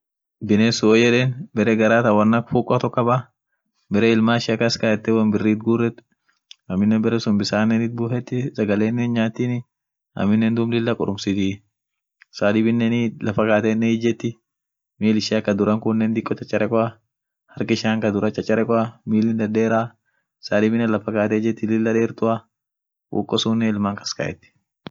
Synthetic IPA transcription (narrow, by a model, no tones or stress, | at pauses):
bɪneːsʊoːd͡ʒɛᶑeːnbɛɾɛɡɐɾaːt̪ɐwɐnːɐkfuːkʼːɔt̪ɔkːɐba | bɛɾɛɪlmaːɪʃɪɐkɐskaɛt̪ːɛwɐnbɪrːiːt̪̚ɡuːrːɛt̪ | ɐmːɪnːɛbɛɾɛsʊmbɪsaːnːɛnɪt̪̚bʊːhɛt̪ːɪsɐɡɐleːnːɛnɲaːt̪ːiːnɪ | ɐ̰mːɪnːɛnd̪ʊmlɪlːɐkʼʊɾʊmsɪt̪ɪ | saːd̪ɪbɪnːɛnɪlɐfɐkaːt̪ɛnːɛɪd͡ʒɛt̪ːɪ | miːlɪʃɐkɐd̪ʊɾɐŋkʊnːɛnd̪ɪkʼːɔt͡ʃɐt͡ʃʼːɐɾʔɛkʼɔɐ | hɐɾkɪʃaːŋkɐd̪ʊɾɐt͡ʃʼɐt͡ʃʼːɐɾɛkʼɔɐmiːlɪnd̪ɐd̪eːɾaː | saːd̪ɪbɪnːɐlɐfɐkaːt̪ɛd͡ʒɛt̪ːɪlɪlːɐᶑeːɾt̪ʊa | ʔṵːkʼːɔsuːnːɛɪlmaːŋkɐ̥skɐ̰ʔɛ̰t̪ːɪ̥